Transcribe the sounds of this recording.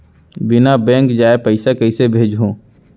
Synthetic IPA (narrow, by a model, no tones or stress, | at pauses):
bɪnabɛ̃ːŋkd͡ʒaːepəɪsakəɪsebʱeːd͡ʒɦõː